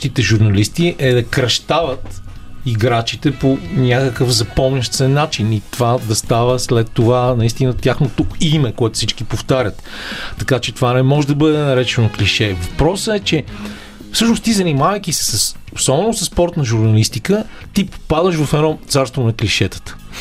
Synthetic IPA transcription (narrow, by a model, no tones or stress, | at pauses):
t̪it̪ɛʒuɾnɐlist̪iʔɛd̪ɐkɾɐʃt̪avət̪ | iɡɾat͡ʃit̪ɛponʲakəkəfzɐpɔmnʲəʃt̪sɛnːat͡ʃinit̪ovad̪ɐst̪avəslɛt̪ːovanɐist̪inət̪ʲjaxnot̪ukimɛkoɛt̪ʊ̥fsit͡ʃkipoft̪aɾʲət̪ːɐkat͡ʃɛt̪ovanɛmɔʒɛd̪ɐbɤd̪ɛnɐɾɛt͡ʃɛnokliʃɛvɐpɾɔsəɛt͡ʃɛ | fsɤʃnost̪izɐnimavəjk̟isɛ̥səsosɔbɛnosəsːpɔɾt̪nɐʒuɾnɐlist̪ikə | t̪ippad̪əʃvɐfɛnɔmt̪saɾst̪vonɐkliʃɛt̪ə̥t̪ə̥